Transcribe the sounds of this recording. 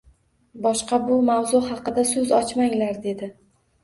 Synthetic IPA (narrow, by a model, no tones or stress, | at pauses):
bɒʃqɑbʊmawzʊɦɑqɨd̪asɵzɒt͡ʃmaŋlaɾd̪e̞d̪ɪ